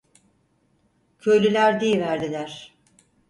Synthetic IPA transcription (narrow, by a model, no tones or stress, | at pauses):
cʰø̞jlʲylʲæɾd̪iivæɾd̪ilʲæɾ̥